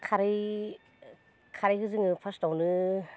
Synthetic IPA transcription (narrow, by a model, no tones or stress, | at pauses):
kʰaɾi | kʰaɾijhɯzɯŋɯpʰastawnɯ